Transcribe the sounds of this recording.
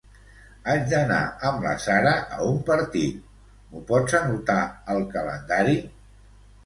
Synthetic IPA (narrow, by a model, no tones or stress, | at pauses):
ad͡ʒd̪əna̰əmlə̰saɾəʔəumpəɾt̪it̪̚ | mupɔd͡zənut̪aəlˠkələ̰nd̪aɾi